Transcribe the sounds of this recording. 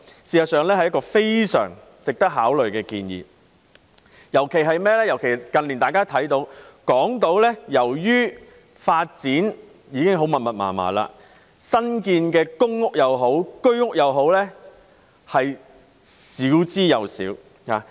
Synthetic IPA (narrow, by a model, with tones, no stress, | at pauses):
siː˨sɐ˨t̚sœː˨ŋlɛː˥hɐ˨jːɐ˥kːɔː˧fe˥jsœ̰ː˨˩ŋ | t͡sɪ˨k̚t̪ɐ˥k̚ɦaː˨˥wlɵ˨ɥkɛː˧kiː˧njḭː˨ | jɐ˨˩wkʰe˨˩jɦɐ˨jmɛː˥lɛː˥jɐ˨˩wkʰe˨˩jkɐ˨nli˨nt̪aː˨kaː˥t̪ʰɐ˨˥jt̪o˨˧wkɔː˨˥ŋt̪o˨˥wlɛː˥jɐ˨˩wjyː˥ | faː˧t̚t͡siː˨˥n | jiː˨˧kɪ˥ŋɦo˨˥wmɐ˨t̚mɐ˨t̚ma̰ː˨˩ma̰ː˨˩la̰ː˧ | sɐ˥nkiː˧nkɛː˧kʊ˥ŋŋʊ˥k̚jɐ˨wɦo˨˥wkɵ˥ɥŋʊ˥k̚jɐ˨wɦo˨˥wlɛː˥ | hɐ˨j | siː˨˥wt͡siː˥jɐ˨˧wsḭː˨˥w | haː˨˦